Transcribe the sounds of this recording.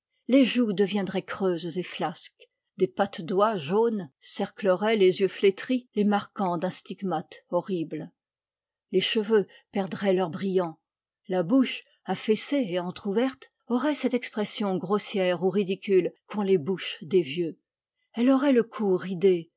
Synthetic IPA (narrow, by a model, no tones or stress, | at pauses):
leʒud̪əvjɛ̃d̪ʁɛkχøzzeflask | d̪epat̪d̪waʒonsɛʁkləʁɛlezjøflet̪χilemaʁkɑ̃d̪ɛ̃st̪iɡmat̪ɔʁibl | leʃəvø | pɛʁd̪ʁɛlœʁbʁijɑ̃ | labuʃ | afɛseeɑ̃t̪χuvɛʁt̪ | ɔʁɛsɛt̪ɛkspχɛsjɔ̃ɡʁosjɛʁuʁid̪ikʲylkʰɔ̃lebuʃd̪evjø | ɛlɔʁɛləkʰuʁid̪e